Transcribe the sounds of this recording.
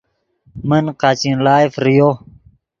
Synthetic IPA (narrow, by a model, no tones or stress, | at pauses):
mənqat͡ɕinlaːifɾijo